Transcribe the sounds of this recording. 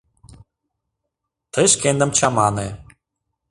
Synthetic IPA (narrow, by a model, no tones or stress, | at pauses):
t̪ʰəʃkend̪ə̆mt͡ɕɑmɑne